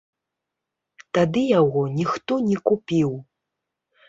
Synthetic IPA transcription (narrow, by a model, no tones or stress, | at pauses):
t̪ad̪ɨjaɣɔnʲixt̪ɔnʲɛkupʲiw